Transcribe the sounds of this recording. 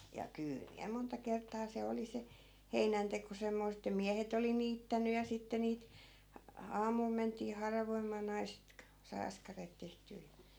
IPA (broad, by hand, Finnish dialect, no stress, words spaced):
jɑ kyːl miæ montɑ kertˑɑː se oli se heinænteko semːoist̆ etːæ miæhet oli niːtːænyj̆ jɑ sitːe niːt ɑ ɑːmul mentˑiː hɑrɑʋoimɑː nɑiset k sɑi ɑskɑreːt tehtyː jɑ